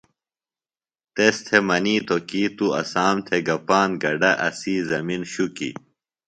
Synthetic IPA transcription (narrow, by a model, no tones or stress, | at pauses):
t̪est̪ʰemɐniːt̪okiːt̪uɐ̰saːmt̪ʰeɡɐpaːnɡɐɖɐʔɐ̰siːzɐminɕukḭ